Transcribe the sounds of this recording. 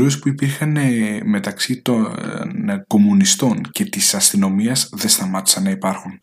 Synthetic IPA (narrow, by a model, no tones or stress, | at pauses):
uespuipiɾxɐneme̞t̪ɐksit̪onko̞munist̪o̞ɲce̞t̪isɐst̪ino̞miɐzðe̞st̪ɐmɐt̪i̥sɐnːɐipɐɾxun